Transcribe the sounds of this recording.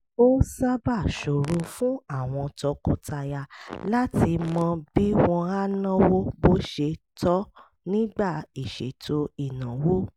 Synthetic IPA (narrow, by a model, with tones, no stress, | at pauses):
o˦sa˦ba˦˨ʃo˨ɾo˧fũ˦a˦˨w̃ɔ̃˧tɔ˧kɔ̃˨˦ta˧ja˧la˦ti˧mɔ̃˧bi˦w̃ɔ̃˧a˦nã˦wo˦bo˦ʃe˧tɔ˦ | nĩ˦ɡ͡ba˦˨i˨ʃḛ˨tʰo˧˦i˨nã˨wo˦